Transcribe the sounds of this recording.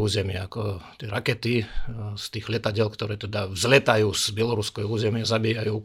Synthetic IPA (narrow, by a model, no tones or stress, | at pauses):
uːzɛmɪɛakɔt̪ɪɛɾakɛt̪ist̪iːɣlɛt̪aɟɛlkt̪ɔɾɛːt̪ɛd̪avzlɛt̪ajuːzbjɛlɔɾuskɛjuːzɛmɪazabiːjajuː